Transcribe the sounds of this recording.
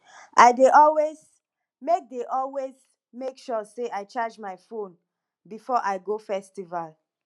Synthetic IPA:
ʔaɪdeʔɔlwez | mek̚deʔɔlwez | mekʃɔseʔaɪt͡ʃad͡ʒmaɪfõn | bifɔʔaɪɡofɛstival

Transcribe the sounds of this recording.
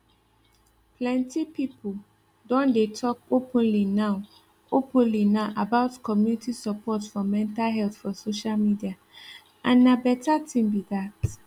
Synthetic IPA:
pʰlɛ̃ntʰipipʰul | dɔ̃ndetʰɔk̚opʰə̃nlinãʊ | opʰə̃nlinãʔabaʊtkʰɔmjunitʰisapʰɔtfɔmɛ̃ntalɦɛlθfɔsoʃalmidia | ʔã̰nːãbɛtʰatʰĩmbidat

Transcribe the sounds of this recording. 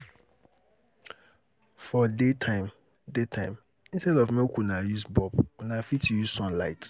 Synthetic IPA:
fɔdetʰãɪ̃m | detʰãɪ̃m | ĩnstɛdɔfmɛ̃okʰunãjusbɔbʊnãfitjusɔ̃nlaɪt

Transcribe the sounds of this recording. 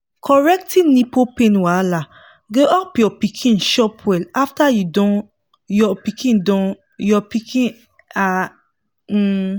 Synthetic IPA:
kʰɔɹɛk̚tĩnĩpopẽnwala | ɡoʔɔpjɔpikʰĩnʃɔpʰwɛlaftajudɔ̃ | jɔpikʰĩndɔ̃ | jɔpikĩn | a

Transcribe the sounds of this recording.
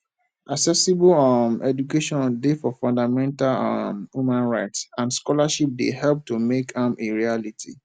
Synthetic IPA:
ʔaksɛsibɔlɔmɛd͡ʒukeʃɔ̃ndefɔfɔ̃ndamɛ̃ntalɔmhumãnɹaɪtsãnskɔlaʃip̚dḛhɛlp̚tumekãmʔeɹialitʰḭ

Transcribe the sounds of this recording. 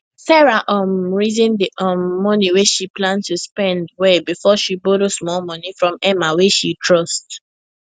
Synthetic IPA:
sɛɹaʔɔmɹizĩndiʔɔ̃mːɔniweʃiplãntuspɛ̃ndwɛbifɔʃiboɾosmɔlmɔ̃nifɹɔ̃mɛmaweʃitʰɹɔst

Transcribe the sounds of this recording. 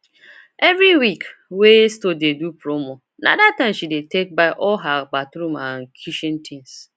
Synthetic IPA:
evɾiwikwestodedupɾomo | na̰datãɪ̃mʃidetek̚baɪʔɔɦak͡patɾumãŋ̩kʰiʃĩn̩tʰĩns

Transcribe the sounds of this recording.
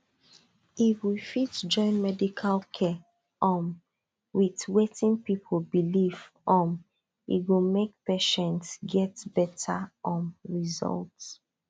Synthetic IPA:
ifwifitd͡ʒɔ̃ɪ̃nmɛdikʰalkʰɛ | ɔ̃m | witwetĩnpipʰolbilif | ɔ̃m | ḭɡomek̚peʃɛ̃ntsɡɛtb̥ɛtʰaʔɔ̃nɹizɔ̰lt

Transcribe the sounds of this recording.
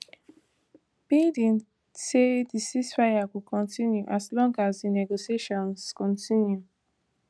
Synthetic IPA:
b̥idĩŋ | tedisisfaakukʰɔ̃ntĩnjuʔaslɔ̃ŋɡasdinɛɡosieʃɔ̃nskɔ̃ntĩnju

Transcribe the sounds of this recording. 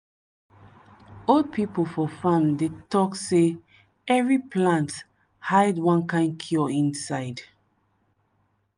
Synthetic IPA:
old̚pʰipolfɔfãndetɔkse | ɛvɹipʰlãnt | haɪdwãnkãɪ̃n̚kʰjɔĩnsaɪd

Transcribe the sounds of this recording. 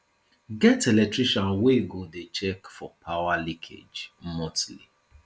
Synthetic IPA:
ɡɛtɛlɛk̚tɹiʃɔ̃nweɡodet͡ʃɛkfɔpʰawalikʰḛd͡ʒmɔtli

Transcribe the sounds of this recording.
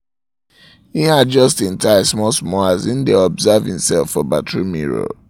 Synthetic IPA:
hiad̚d͡ʒʌstĩntaɪsmɔsmɔazĩndeɔbzavhĩmsɛlˠfɔbatɹimiɹo̰

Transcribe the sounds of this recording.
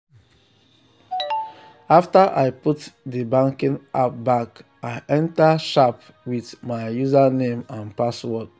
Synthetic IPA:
aftaʔaɪputdibãŋkĩnap̚bak | aɪʔɛ̃ntaʃap | wiðmaɪjuzanẽmãnpaswɔd

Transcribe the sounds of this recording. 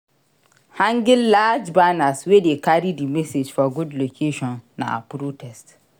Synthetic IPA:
hãŋɡɪllaːd͡ʒbanaswedekʰaɾidimɛsed͡ʒfɔɡʊdlokʰeʃɔ̃nːã̰a̰pʰɾotʰɛst

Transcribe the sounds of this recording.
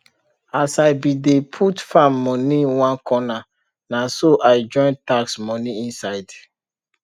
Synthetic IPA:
asaɪbidepʰutfãmːɔniwãnkʰɔna | nasoʔaɪd͡ʒɔ̃ɪ̃ntaksmɔniĩnsaɪd

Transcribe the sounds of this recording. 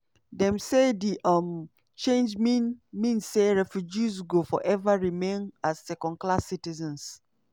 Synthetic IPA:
dɛ̃msediʔʌm | t͡ʃẽnd͡ʒminmĩnseɹɛfjud͡ʒizɡofɔ̰ʔɛvaɹimẽnazːɛkɔ̃nklasːitizɛ̃ns

